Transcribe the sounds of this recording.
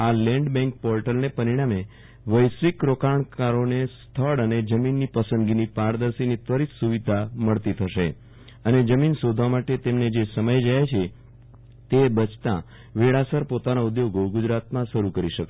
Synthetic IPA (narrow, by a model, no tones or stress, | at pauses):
alɛ̃ɳɖbɛ̃ŋk̚pɔɾʈəlnepəɾiɽ̃ame | ʋəjsʋikɾokaɳkaɾonest̪ʰəɽəned͡ʒəminːipəsə̃nd̪ɡinipaɾd̪əɾsinit̪ʋəɾit̪suʋid̪ʱaməɭt̪it̪ʰəʃe | əned͡ʒəminsod̪ʱʋamaʈet̪emned͡ʒesəməjd͡ʒajt͡ʃʰe | t̪ebət͡ʃʰt̪ã̰ | ʋeɭasəɾpot̪anoʊd̪joɡoɡʊd͡ʒɾat̪mãʃəɾukəɾiʃəkʃe